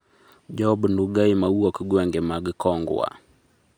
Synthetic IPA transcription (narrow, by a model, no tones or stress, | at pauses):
d͡ʒɔbnduɡaimauɔkɡwɛŋɡɛmaɡkɔŋɡw̰a̰